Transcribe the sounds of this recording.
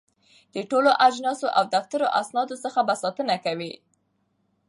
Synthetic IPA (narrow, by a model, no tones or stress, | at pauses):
d̪̥əʈoloʔad͡ʒnɑsoʔawd̪aft̪aɾoʔasnɑd̪osəxabasɑt̪ənakawi